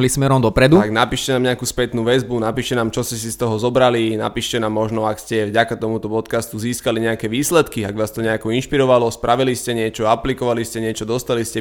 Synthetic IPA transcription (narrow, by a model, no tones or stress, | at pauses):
lismɛɾɔmd̪ɔpɾɛd̪uaɡnapiːʃcɛnaːmɲɛakuːspɛt̪nuːʋɛzbunapiːʃcɛnaːmt͡ʃɔscɛs̬ist̪ɔɦɔzɔbɾalina̰piːʃcɛnaːmːɔʒnɔakscɛvɟakat̪ɔmut̪ɔpɔt̪kast̪uziːskaliɲɛakɛʋiːslɛt̪kiaɡʋaːst̪ɔɲɛakɔinʃpiɾɔʋalɔspɾaʋiliscɛɲɪɛt͡ʃɔaplikɔʋaliscɛɲɪɛt͡ʃɔd̪ɔst̪aliscɛ